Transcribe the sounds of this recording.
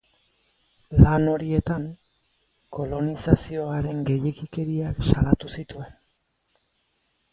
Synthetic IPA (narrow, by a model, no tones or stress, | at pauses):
lano̞ɾie̞t̪aŋ | ko̞lo̞nisasio̞aɾe̞ŋɡe̞jekike̞ɾiaksalat̪usit̪ue̞n